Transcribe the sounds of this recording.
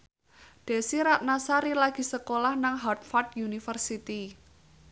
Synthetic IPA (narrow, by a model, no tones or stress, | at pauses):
ɖ̪̥e̤siɾat̪̚nasaɾilaɡ̥i̤səkolahnaŋɦɔrt̪̚fart̪junifərsit̪i